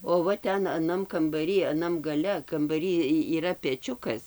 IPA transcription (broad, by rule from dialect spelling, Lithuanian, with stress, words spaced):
oː ˈʋɐ ˈtʲɛn ɐˈnɐm kɐmbɐˈrʲiː ɐˈnɐm ɡɐˈlʲɛ kɐmbɐˈrʲiː ˈiː iːˈrɐ pʲɛˈt͡ʃʲʊkɐs